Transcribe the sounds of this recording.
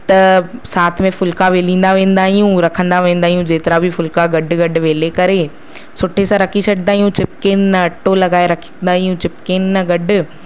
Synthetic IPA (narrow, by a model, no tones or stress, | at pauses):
t̪ɐsaːt̪ʰmẽfʊlkaʋeːlĩːn̆d̪aʋẽːnd̪aːɦijũɾɐkʰə̃nd̪aʋẽːnd̪aːɦijũd͡ʑeːt̪ɪɾabʱɪfʊlkaɡɐɖʱʊ̆ɡɐɖʊʋeːlekɐɾe | sʊʈʰesãɾɐkʰisɐɖə̃nd̪aːɦijũt͡ɕɪpkeːnːɐɐʈːolɐɡaːeɾɐkʰnd̪aːɦijũt͡ɕɪpkeːnːɐɡɐɖʱʊ̆